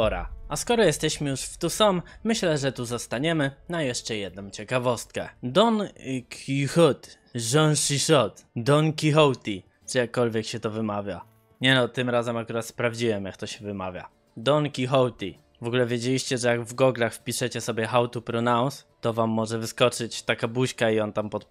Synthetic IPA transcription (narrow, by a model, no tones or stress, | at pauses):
ɔɾa̰askɔɾɔjɛst̪ɛɕmɘjuʂft̪usɔmːɘɕlɛʐɛt̪uzɔst̪aɲɛmɘnajɛʂt͡ʂɛjɛd̪nɔ̃w̃t͡ɕɛkavɔst̪̚kɛ̰d̪ɔnkʲʰixut̪ | ʐɔnʂiʂɔt̪d̪ɔnkʲixɔwt̪ʲi | t͡ʂɛjakːɔlvʲjɛkɕɛt̪ɔvɘmavʲja | ɲɛnɔt̪ɘmɾazɛmakuɾat̪spɾavd͡ʑiwɛmjakt̪ɔɕɛvɘmavʲja̰ | d̪ɔnkʲixɔwt̪ʲi | vɔɡulɛvʲjed͡ʑelʲiɕt͡ɕɛʐɛjaɡvɡɔɡlaxfpʲiʂɛt͡ɕɛsɔbʲjɛxawt̪upɾɔnaw̃st̪ɔvamːɔʐɛvɘskɔt͡ʂɘt͡ɕt̪akabuɕkaiɔnt̪ampɔt̪